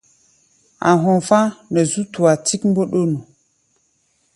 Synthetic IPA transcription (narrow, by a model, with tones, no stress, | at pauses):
a̰˨ɦo˨fã˦nə˨zu˦tu˨a˨ti˦km̩˦bo˦ɗo˦nu˨